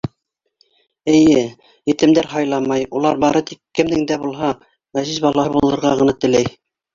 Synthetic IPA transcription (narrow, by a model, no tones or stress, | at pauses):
ɘ̆jɘ | jɘ̆t̪ɘ̆md̪æɾɦɑjlˠɑmɑjulˠɑɾbɑɾɤt̪ikːɘ̆md̪ɘ̆ŋd̪æbulˠɦɑ | mæzizbɑlˠɑɤbulˠɤ̆ɾʁɑʁɤ̆nɑt̪ɘ̆læj